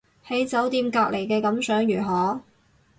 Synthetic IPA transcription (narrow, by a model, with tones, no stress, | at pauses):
he˨˥jt͡sɐ˨˥wt̪iː˧mkaː˧k̚lʔe˨˩jkɛː˧kɐ˨˥msœː˨˥ŋjyː˨˩ɦɔː˨˥